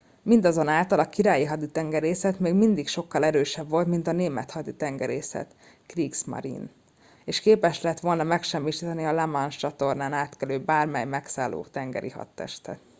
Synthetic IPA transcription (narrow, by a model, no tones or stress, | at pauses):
mind̪ɒzo̞naːlt̪ɒlɒkiɾaːjiɦɒd̪it̪ɛŋɡɛɾeːsɛt̪meːɡmind̪ikʃo̞kːɒlɛɾøːʃɛbvo̞lt̪mint̪ɒneːmɛt̪hɒd̪it̪ɛŋɡɛɾeːsɛ̰t̪ | kriːksmɒ̰ɾḭn | eːʃkeːpɛʃlɛɦɛt̪ʋo̞lnɒmɛkʃɛmːiʃiːt̪ɛniɒlɛmɒnt͡ʃɒt̪o̞rnaːnaːt̪kɛløːbaːrmɛjmɛksa̰ːlːo̰ːt̪ɛŋɡɛ̰ɾḭhɒ̰t̪ːɛ̰ʃt̪ɛ̰t̪